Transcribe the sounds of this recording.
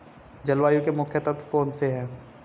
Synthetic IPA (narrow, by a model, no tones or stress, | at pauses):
d͡ʒɐlwaːjũkemʊkʰjət̪ət̪foːnseɦɛ̃ː